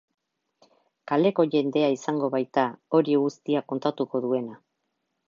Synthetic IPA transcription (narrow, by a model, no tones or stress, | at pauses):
kale̞ko̞ʝe̞nd̪e̞aisaŋɡo̞βajt̪ao̞ɾiɣust̪iako̞nt̪at̪uko̞ðue̞na